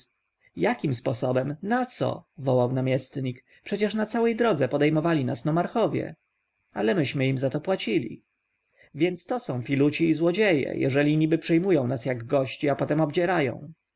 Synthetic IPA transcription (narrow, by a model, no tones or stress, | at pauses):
jakʲimspɔsɔbɛmnat̪sɔ̰vɔwawnamʲjɛst̪ɲik | pʂɛt͡ɕɛʂnat̪sawɛjd̪ɾɔd̪zɛpɔd̪ɛjmɔvalʲinasnɔmaɾxɔvʲjɛ̰ | alɛmɘɕmɘimzat̪ɔpwat͡ɕilʲḭ | vʲjɛnt̪st̪ɔsɔ̃w̃fʲilut͡ɕiːzwɔd͡ʑejɛ̰jʔɛ̰ʐɛlʲiɲibɘpʂɛjmujɔ̃w̃nasjaɡɡɔɕt͡ɕiapɔt̪ɛmɔbd͡ʑɛɾajɔ̰̃w̃